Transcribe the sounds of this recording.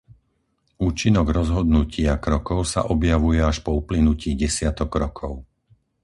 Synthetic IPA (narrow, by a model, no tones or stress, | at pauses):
uːt͡ʃinɔɡɾɔzɦɔd̪nucɪakɾɔkɔʊsa̰ʔɔbjaʋujɛaʃpɔuplinuciːɟɛsɪat̪ɔkːɾɔkʰɔʊ